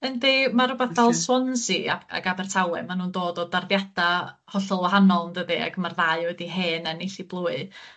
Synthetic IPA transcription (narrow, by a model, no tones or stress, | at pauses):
əndemaɾʊbɛθdɛlˠswɔnsia̰a̰ɡabɛr̥tʰawɛ̰manuːndoːdɔdarðjad̥a | hɔɬɔlˠwaɦanɔlˠndəðia̰ɡmarðaɨwɛdiɦeːnɛniɬiblˠuːɨ